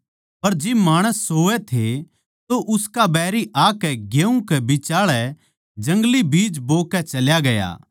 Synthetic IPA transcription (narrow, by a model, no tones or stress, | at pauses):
pɐɾd͡ʒɪbmaːɽ̃əsːoːʋɛt̪ʰe | t̪oʔʊskabɛːɾiʔaːkɛɡjeːũkɛbɪt͡ʃaːɭɛ | d͡ʒɐ̃ŋɡlibiːd͡ʒboːkɛt͡ʃɐljaɡɐja̰ː